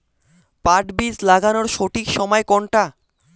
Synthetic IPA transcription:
paʈbid͡ʑlaɡanoɾʃoʈikʃɔmɔekɔɳʈa

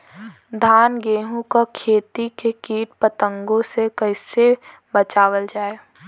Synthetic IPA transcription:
d̪ʱaːnɡeːɦũkakʰeːt̪ikekiːʈpət̪ə̃ŋɡõsekəɪse | bət͡ʃaːwəld͡ʒaːe

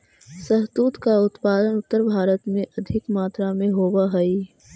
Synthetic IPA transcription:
sɐɦt̪uːt̪kaʊt̪paːd̪ənʊt̪ːəɾbʱaːɾət̪mẽʔɐd̪ʱɪkmaːt̪ɾamẽɦoːwaɦɐi

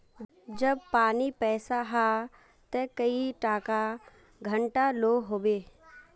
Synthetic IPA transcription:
d͡ʒɐb̚paːnipɛːsaɦa | t̪ɛkɐiʈaːka | ɡʱɐ̃ɳʈaloːɦoːʋeː

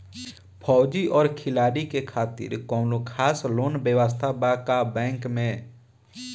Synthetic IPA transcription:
pʰɔːd͡ʒiʔɔːɾkʰɪlaːɾikekʰaːt̪ɪ̰ɾkɔːnokʰaːsloːnbjəʋəs̬t̪ʰabakabɛ̃ːŋkmẽː

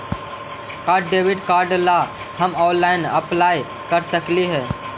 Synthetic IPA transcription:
kaːɾɖːeːʋɪɖkaːɾɖla | həmɔːnlaːɪnəplaːj | kəɾsəkliɦɛː

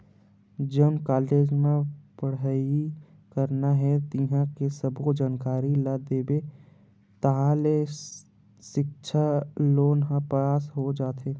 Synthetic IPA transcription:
d͡ʒəːnkaːleːd͡ʒmẽpəɽai | kəɾnaɦɛt̪iɦãkesɐbkod͡ʒaːnkaːɾilad̪eːbe | t̪ɐɦaːle | ʃɪk̚ʃʰaloːnɦãpɾəjaːsɦod͡ʒaːt̪ɦeː

